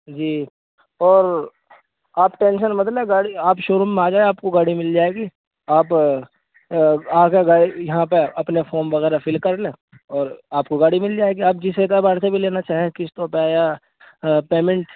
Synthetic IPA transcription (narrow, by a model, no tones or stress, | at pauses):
d͡ʒiː | ɔːɾ | aːpʈẽːnʃənmɐt̪leɡaːɽiaːpʃʊɾumẽaːd͡ʒaːeaːpkoɡaːɽimɪld͡ʒaːeːɡi | aːp | aːkeɡaːɽijɐɦãpeɐpnefʰoːɾmʋɐɣɛːɾafʰɪlkɐɾlẽː | ɔːɾaːp̚koɡaːɽimɪld͡ʒaːeːɡiaːp̚d͡ʒɪseːt̪abaːɽsebʱileːnat͡ʃaːɦiẽkɪst̪ɔːɾpeja | peːmẽɳʈ